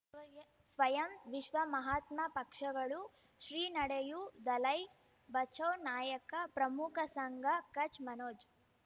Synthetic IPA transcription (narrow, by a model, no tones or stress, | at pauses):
sʋɐjɐmʋiʃʋɐmɐɦaːt̪mɐpɐkʂɐɡɐɭu | ʃɾiːnɐɽejud̪ɐlɐj | bɐt͡ʃʰɐwnaːjɐkɐpɾɐmukʰɐsɐŋɡʱɐkɐt͡ʃmɐnoːd͡ʒ